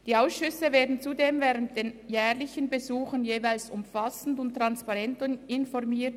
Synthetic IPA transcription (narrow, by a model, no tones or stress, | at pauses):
d̥iːaʊsʃʏsəveːɐdn̩t͡sudeːmvɛːʁənt̚d̥eːnjɛːʁlɪçənbezuːxənjeːvaɪlsʊmfasn̩dʊntːʁ̥anspɑʁɛntɪnfɔɾmiːt